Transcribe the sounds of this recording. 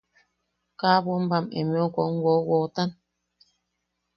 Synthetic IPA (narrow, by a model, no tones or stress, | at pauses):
kaːbom̩bamḛmiɔkɔŋ̩ɡwɔwɔtan